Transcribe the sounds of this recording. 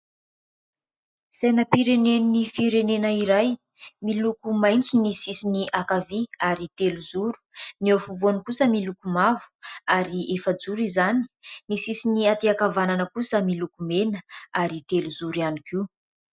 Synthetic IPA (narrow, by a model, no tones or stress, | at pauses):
senəpiɾenennifiɾenenəiɾaj | milukumajŋt͡sinisisiniʔakaviaɾit̪eluzuɾu̥niofuvuanikusəmilukumavu̥aɾiʔefəd͡zuɾizani̥nisisiniat̪eakavananəkusəmilukumenəaɾit̪eluzuɾianiki